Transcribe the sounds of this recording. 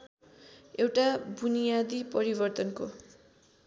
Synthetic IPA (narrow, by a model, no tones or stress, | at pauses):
ewʈabunijad̪ipʌɾibʌrt̪ʌnko